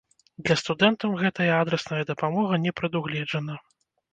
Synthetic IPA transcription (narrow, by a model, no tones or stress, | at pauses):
d̪lʲɐst̪ud̪ɛnt̪ɐwɣɛt̪ɐjɐad̪ɾɛsnɐjɐd̪ɐpamɔɣɐnʲɛpɾɐd̪uɣlʲɛd͡ʐɐnɐ